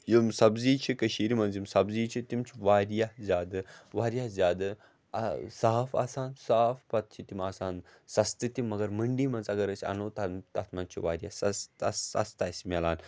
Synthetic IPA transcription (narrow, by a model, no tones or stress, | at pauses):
jimsɐbziːt͡ʃʰikɐʃiːɾimɐnzimsɐbziːt͡ʃʰit̪imt͡ʃʰiʋaːɾjahzʲaːd̪ɨʋaːɾjazʲaːd̪ɨ | ɐsaːɦɐfa̰ːsaːnsaːfpɐt̪̚t͡ʃʰit̪imaːsaːn | sɐst̪ɨt̪ʲimːɐɡɐɾmɐɳɖiːmɐnzɐɡɐɾɐt͡ʃʰʲɐ̰noːt̪ɐt̪ɐt̪mɐnt͡ʃʰiʋaːɾʲjasɐst̪ɐ̰sɐ̰st̪aːsʲmʲɐlaːn